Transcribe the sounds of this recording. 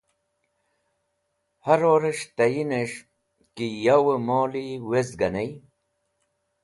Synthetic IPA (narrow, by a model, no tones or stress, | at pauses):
hɐɾoːɾeʂt̪ɐjineʂ | kijɐwəmoːliwezɡɐnej